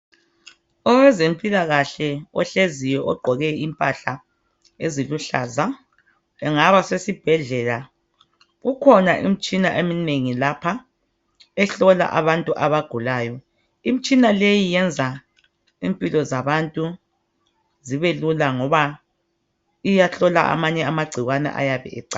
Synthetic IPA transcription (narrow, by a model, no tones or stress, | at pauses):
ɔwɛzempʼilaɣaɬɛɔɬezijɔʔɔɡ͡ǃʱɔɣɛimpʼaɬa | eziluɬaːza | ɛŋaβasesib̥ʱɛɮɛla | ɣukʰɔnaʔḭm̩t͡ʃʼinaʔemineŋilapʰa | ɛɬɔla̰ʔaβantʼuʔaβaɡ̥ʱulaːjɔ | im̩t͡ʃʼinalejijɛnd͡zʱa | impʼilɔzaβantʼu | ziβelulaŋɔβa | ijaɬɔla̰ʔa̰maɲɛamaɡ͡ǀʱiɣwanɛ̰ʔa̰jaβɛ̰ʔɛ̰ǀa